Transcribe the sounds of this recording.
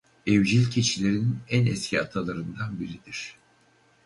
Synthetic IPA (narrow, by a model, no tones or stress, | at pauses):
evd͡ʒilʲcʰet͡ʃʰilʲe̞ɾininænɛscʰiat̪ʰalˠaɾɯnd̪anbiɾid̪̥iɾ̝̥